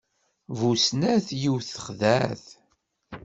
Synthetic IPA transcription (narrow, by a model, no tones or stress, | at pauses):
vusnæθjiwθə̥χðæθ